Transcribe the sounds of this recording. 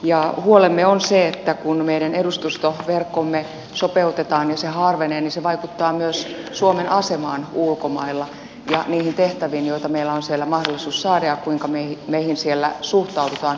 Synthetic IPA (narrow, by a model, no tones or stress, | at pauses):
jɑhuolemːeonseet̪ːækunmeiɾænedust̪ust̪oʋerkːomːe | sopeut̪et̪ɑːnjɑsehɑːrʋeneːniseʋɑikut̪ːɑːmyøssuomenʔɑsemɑːnulkomɑilːɑ | jɑniːhint̪eht̪æʋiːnjoit̪ɑmeilːæonsielːæmɑhdolːisuːssɑːɾɑjɑkkuiŋkɑmeimeihinsielːæsuht̪ɑudut̪ɑːn